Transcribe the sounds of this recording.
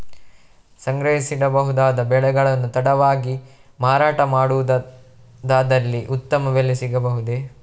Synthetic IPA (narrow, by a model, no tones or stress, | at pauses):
sɐŋɡɾɐɦisid̪ɐbɐɦud̪aːd̪ɐbɛɭɛɡɐɭɐnːut̪ɐɽɐʋaːɡi | maːɾaːʈɐmaːɽuʋd̪ | d̪aːd̪ɐlːiʔut̪ːɐmɐʋelːesiɡɐbɐɦud̪e